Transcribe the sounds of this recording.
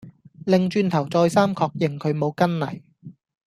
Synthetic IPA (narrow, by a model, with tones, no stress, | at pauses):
lɪ˨ŋt͡ʃyː˧nt̪ʰɐ˨˩wt͡sɔː˧jsaː˥mkʰɔː˧k̚jɪ˨ŋkʰɵ˨˧ɥmo˨˧wkɐ˥nlɐ̰˨˩j